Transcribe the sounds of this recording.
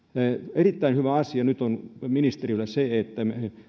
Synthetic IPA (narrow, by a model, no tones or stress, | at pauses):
erit̪ːæinhyʋæɑsiɑnyt̪onminist̪erilːæseet̪ːæm